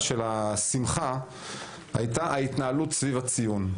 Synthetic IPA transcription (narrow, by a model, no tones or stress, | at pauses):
ʃe̞lasimχa | ha̰jtaait̪naalutsvivat͡sijun